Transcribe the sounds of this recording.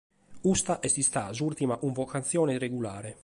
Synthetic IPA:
ust̪aʔɛst̪ist̪azuɾt̪imaʔuɱvɔkant̪sjɔːnɛreɡula̰ːɾɛ

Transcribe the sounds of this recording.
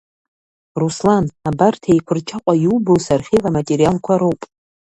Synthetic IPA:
ruslanabartʰejkʷʰʊrt͡ʃʰaqʷʼajuubowsarχʲelamatʼeɾijalkʷʰaɾowpʼ

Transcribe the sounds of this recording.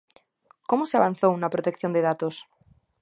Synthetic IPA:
komoseaβan̟θownapɾot̪ekθjo̞nd̪eðat̪os

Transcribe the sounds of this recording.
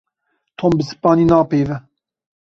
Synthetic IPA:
t̪ʰombəsɨ̥pɑːninɑːpeːvɛ

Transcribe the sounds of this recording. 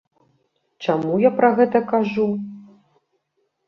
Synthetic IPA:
t͡ʂamujapɾɐɣɛt̪ɐkaʐu

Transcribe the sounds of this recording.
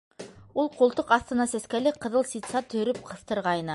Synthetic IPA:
ulˠqulˠt̪oqɑθt̪ɤ̆nɑsæskælɘqɤ̆ðɤlˠsit̪sɑt̪ɵ̆ɵ̆ɾɵp̚qʰɤ̆θt̪ɤ̆ɾʁɑjnɤ

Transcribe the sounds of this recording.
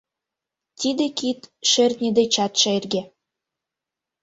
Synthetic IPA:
t̪id̪ekit̪ʃert̪nʲed̪et͡ɕɑt̪ʃeerɡe

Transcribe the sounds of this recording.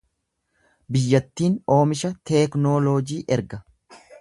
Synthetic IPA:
bɪjːɐt̪ːiːno̞ːmɪʃɐt̪ɛːknoːloːd͡ʒiːʔɛɾɡɐ

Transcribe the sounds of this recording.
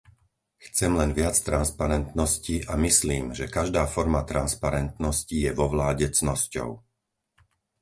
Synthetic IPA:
xt͡sɛmlɛnʋɪat͡st̪ɾanspaɾɛnt̪nɔsciʔamisliːmʒɛkaʒd̪aːfɔɾmat̪ɾanspaɾɛnt̪nɔscijɛʋɔʋlaːɟɛt͡snɔscɔ̰ʊ

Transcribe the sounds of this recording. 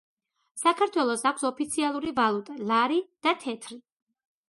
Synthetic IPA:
sakʰaɾt̪ʰwɛlˠɔsakʷʰsɔpʰit̪sʰialˠuɾivalˠut̪ʼalaɾid̪̥at̪ʰɛt̪ʰɾi

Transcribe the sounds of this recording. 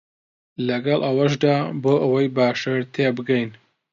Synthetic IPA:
lɐɡɐlˠʔɐwɐʃ̬d̪aːboːʔɐwɐjbaːʃɐɾt̪ʰeːbɨɡɐjn

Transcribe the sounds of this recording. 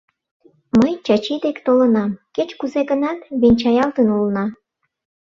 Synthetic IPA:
məjt͡ɕɑt͡ɕid̪ekt̪olənɑmket͡ɕkuzeɣənɑt̪βenʲt͡ɕɑjɑlt̪ənulnɑ

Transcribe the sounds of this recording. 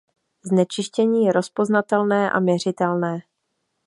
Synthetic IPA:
znɛt͡ʃɪʃcɛɲiːjɛɾo̞spo̞znat̪ɛlnɛːʔa̰mjɛr̝ɪt̪ɛlnɛː

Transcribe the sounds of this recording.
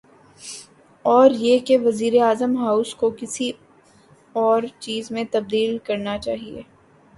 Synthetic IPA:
ɔːɾjekeʋɐziːɾeaːzəmɦaːʊskokɪsi | ɔːɾt͡ʃiːzmẽt̪ɐb̚d̪iːlkɐɾnat͡ʃaːɦiḛː

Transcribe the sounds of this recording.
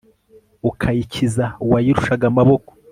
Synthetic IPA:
ukʰajicizauwajiɾuʃaɡamaβo̞ko̥

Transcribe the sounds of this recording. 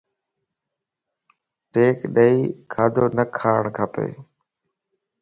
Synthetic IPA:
ʈeːkɗəiːkʰaːd̪ʱoːnəkʰaːɳkʰapḛː

